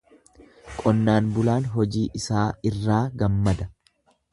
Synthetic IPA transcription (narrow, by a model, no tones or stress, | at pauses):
kʼɔnːaːnbʊlaːnɦɔd͡ʒiːʔɪsaːɪrːaːɡɐmːɐd̪ɐ